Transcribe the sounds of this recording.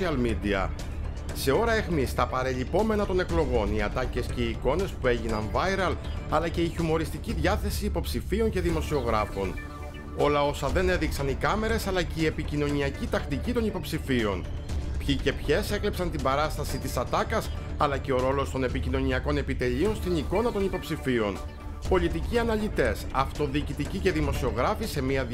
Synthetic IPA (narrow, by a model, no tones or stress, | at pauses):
iɐlmid̪iɐ̰ | se̞o̞ɾɐexmist̪ɐpɐɾe̞ʎipo̞me̞nɐt̪o̞ne̞klo̞ɣo̞niɐt̪ɐce̞sce̞iːko̞ne̞spue̞ʝinɐnvɐjɾɐlɐlɐceiçumo̞ɾist̪iciðʝɐθe̞siːpo̞psifio̞ɲce̞ðimo̞sio̞ɣɾɐfo̞n | o̞lɐo̞sɐðe̞ne̞ðiksɐnikɐme̞ɾe̞sɐlɐceie̞picino̞niɐcit̪ɐxt̪icit̪o̞nipo̞psifio̞̰npçice̞pçe̞se̞klepsɐnt̪imbɐɾɐst̪ɐsit̪isɐt̪ɐkɐs | ɐlɐce̞o̞ɾo̞lo̞st̪o̞ne̞picino̞niɐko̞ne̞pit̪e̞ʎio̞nst̪iniko̞nɐt̪o̞nipo̞psifio̞n | po̞ʎit̪iciɐnɐʎit̪e̞sɐft̪o̞ðiːcit̪icice̞ðimo̞sio̞ɣɾɐfise̞miɐ